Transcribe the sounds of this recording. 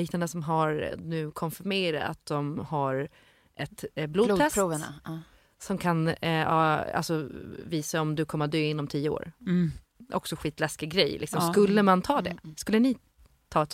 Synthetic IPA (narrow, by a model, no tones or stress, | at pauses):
iːk̚nand̪əsɔmɦaɾnʉ̟ːkʰɔnfɪɾmeːɾa̰a̰t̪̚d̪ɔmhaɾ | ʔɛt̪bluːd̪ʰɛsɾuːvɳa̰ | sɔmkʰanɑ̰ːa̰lsɔviːsaɔmd̪ɵkʰɔmːəad̪øːɪnːɔmt̪ʰiːəo̰ːɾ | ʔɔ̰ksɔɧiːt̪lɛskɪɡɾɛjlɪ̰ksɔmskɵlːəmant̪ʰɑːd̪ɛ̰skɵlːənɪ | t̪ʰɑːɛt̪